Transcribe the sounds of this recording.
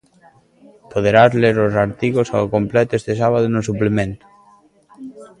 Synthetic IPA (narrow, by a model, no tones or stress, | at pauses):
poðeɾazleɾosaɾt̪iɣosa̰okomplɛt̪oest̪esaβað̞onos̬uplemẽnt̪ʊ̥